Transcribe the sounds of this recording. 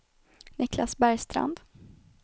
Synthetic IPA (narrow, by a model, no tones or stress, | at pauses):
nɪklasbæɾjst̪ɾa̰nd̪